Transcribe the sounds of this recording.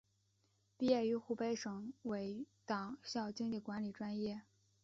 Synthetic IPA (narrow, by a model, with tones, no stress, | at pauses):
pi˥˧jɛ˥˩y˧˥xu˥˩pe˥ɪʂɤ˨˩ŋwe˧˥ɪt̪ɑ˨˩ŋɕjɑ˥˩ʊt͡ɕi˥ŋt͡ɕi˥˩kwa˧˥nli˨˩ʈ͡ʂwa˥njɛ˥˩